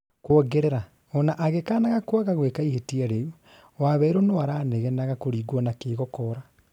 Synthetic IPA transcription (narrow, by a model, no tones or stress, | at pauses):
kwɔɡeɾeɾa | ɔnaʔaɣekaːnaɣakwaɣaɣwekaihetiaɾeu | waβɛɾonowaɾaːneɣɛnaɣakoɾiːɡwɔnakeːɣɔkɔɾa